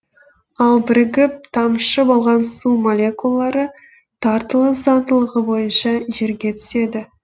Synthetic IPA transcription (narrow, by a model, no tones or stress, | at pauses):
ɑlˠbɪɾɡʲɪp̚t̪ʰɑmʃəbo̞lˠʁɑnsumolʲe̞kulˠːɑɾə | t̪ʰɑɾt̪əlˠəzɑnd̪əlˠəʁəbo̞jənʃɑʒe̞ɾɡʲe̞t̪ʰʏ̥se̞d̪ɪ